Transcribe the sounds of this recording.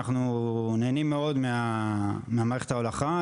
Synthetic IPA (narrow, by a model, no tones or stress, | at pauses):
aχnuneːnimːeo̞d̪meameamaːʁeχethaolaχa